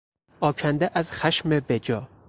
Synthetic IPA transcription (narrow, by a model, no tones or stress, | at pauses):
ɒːcʰænd̪eʔæzxæʃmebed͡ʒɒː